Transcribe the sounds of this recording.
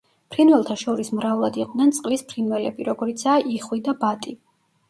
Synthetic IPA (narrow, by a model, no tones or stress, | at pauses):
pʰɾinwɛlˠt̪ʰaʃɔɾismɾaulˠad̪iqʼd̪nɛnt̪sʼqʼlispʰɾinwɛlɛbiɾɔɡɔɾit̪sʰaːʔiχwid̪abat̪ʼi